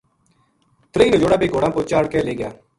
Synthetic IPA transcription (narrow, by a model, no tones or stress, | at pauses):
t̪ɾəiːnoːd͡ʒoːɽaːbeːɡoːɽãːpoːt͡ʃaːɽkɛːleːɡɪja̰ː